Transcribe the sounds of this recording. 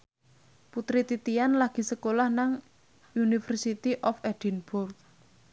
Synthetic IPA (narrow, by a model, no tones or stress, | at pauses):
put̪ɾit̪it̪ianlaɡ̥i̤səkolahnaŋ | unifərsit̪iʔɔfɛd̥inbʊrk̚